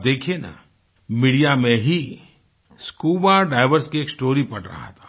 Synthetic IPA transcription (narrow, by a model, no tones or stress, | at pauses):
d̪eːkʰiena̰ | miːɖijamẽɦi | skuːbaɖaːɪʋəɾskieːksʈoːɾipɐɽɾɐ̰ɦa̰t̪ʰḁː